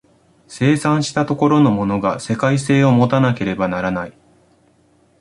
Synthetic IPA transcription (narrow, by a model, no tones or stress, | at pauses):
se̞ːsãɰ̃ɕi̥t̪at̪o̞ko̞ɾo̞no̞mo̞no̞ɡase̞kaise̞ːo̞mo̞t̪anake̞ɾe̞banaɾanai